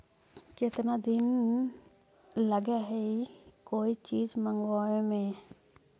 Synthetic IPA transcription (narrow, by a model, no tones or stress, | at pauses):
kɪt̪nad̪ɪn | ləɡeɦɛikoːit͡ʃiːd͡ʒmə̃ŋɡʋaːemẽ